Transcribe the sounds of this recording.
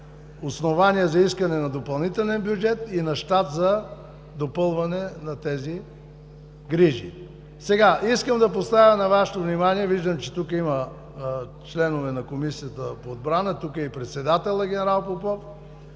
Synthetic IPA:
osnovaniɛzɐiskɐnɛnɐd̪opɐlˠnit̪ɛllʲɛnbjʊd͡ʒɛt̪inɐʃt̪at̪zɐ | d̪opɤlˠvɐnɛnɐt̪ɛzi | ɡɾiʒḭ | sɛɡaʔiskəmd̪ɐpost̪avʲjənɐvaʃɛ̥t̪ovnimaniɛviʒd̪əmt͡ʃɛt̪ukəimɐ | t͡ʃlɛnovɛnɐkomisijət̪əpoːd̪̚bɾanət̪ukəɛipɾɛt̪sɛd̪at̪ɛlˠəɡʲɛnɛɾalˠpopɔf

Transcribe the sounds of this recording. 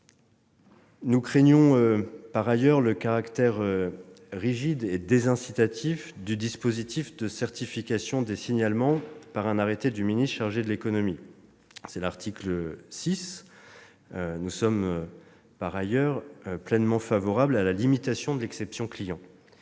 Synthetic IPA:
nukχeɲjɔ̃øpaʁajœʁləkaʁakt̪ɛʁø | ʁiʒid̪ed̪ezɛ̃sit̪at̪ʰifd̪yd̪ispozit̪ʰifd̪əsɛʁt̪ifikasjɔ̃d̪esiɲalmɑ̃paʁɛ̃naʁet̪ed̪yminist̪ʃaʁʒed̪əlekɔnɔmi | sɛlaʁt̪ʰikləsis | ønusɔmø | paʁajœʁplɛnmɑ̃favɔʁablalalimit̪asjɔ̃d̪əlɛksɛpsjɔ̃klijɑ̃

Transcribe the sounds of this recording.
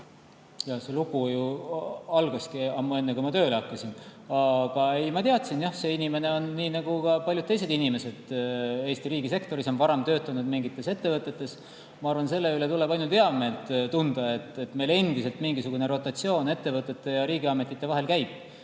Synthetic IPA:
jɑhse̞luɡ̥uju | ɑlɡ̥ɑskiɑmːue̞nːekumɑt̪ø̞ːleɑkːˑɑsinɑɡ̥ɑe̞jmɑt̪iɑt̪sinjɑhse̞inime̞ne̞o̞nːiːnɑɡ̥ukɑpɑlʲjud̪̚t̪e̞jse̞d̪inimese̞d̪̥e̞ːst̪iɾiːɡis̬e̞kt̪o̞ɾiso̞nvɑɾemt̪ø̞ːt̪ːˑɑnud̪̥miŋɡit̪ːˑe̞se̞t̪ːe̞vɤt̪ːˑe̞t̪ˑːe̞s | mɑɑrvɑnse̞lːe̞yle̞t̪ule̞b̥ɑjnult̪eɑmelt̪ˑt̪und̪̥ɑe̞t̪ːe̞t̪ːme̞jle̞nd̪ise̞lt̪miŋɡisuɡ̥une̞ɾo̞t̪ːˑɑt̪sio̞ːne̞t̪ːe̞vɤt̪ːˑe̞t̪ːe̞jɑɾiːɡiɑme̞t̪ːˑit̪ːe̞vɑɦe̞lkæjb̥̚

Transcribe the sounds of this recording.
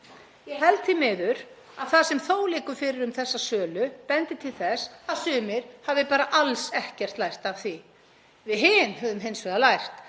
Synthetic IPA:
jɛɦɛlt̪θimɪːðʏɾ | aðθasɛmθoːwlɪːkʏ̥fɪɾɪɾʏmθɛsːasœːlʏpɛnt̪ɪt̪ʰɪlθɛsaðsʏːmɪɾ̥havðɪpaːɾaʔalsɛhcɛr̥t̪lajr̥t̪av̥θi | vɪðɦɪnɦœːðʏmɦejnsveːðalajr̥t̪

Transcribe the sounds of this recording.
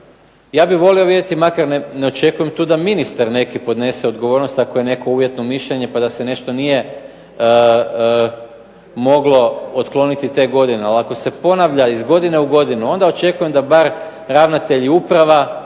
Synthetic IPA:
jaːbiʋo̞lio̞ʋid̪jet̪imakaɾnene̞o̞t͡ʃe̞kujemt̪uːd̪aminist̪aɾne̞kipo̞d̪ne̞se̞o̞d̪ɡo̞ʋo̞ɾno̞st̪ako̞je̞ne̞ko̞uʋje̞t̪no̞miʃʎeɲe̞pad̪ase̞ne̞ʃt̪o̞nije̞ | mo̞ɡlo̞ot̪klˠo̞nit̪it̪e̞ːɡo̞d̪ine̞alako̞se̞po̞naʋʎaizɡo̞d̪ine̞uɡo̞d̪inuo̞nd̪ao̞t͡ʃe̞kuje̞md̪abaɾ | ɾaʋnat̪e̞ʎiupɾaʋa

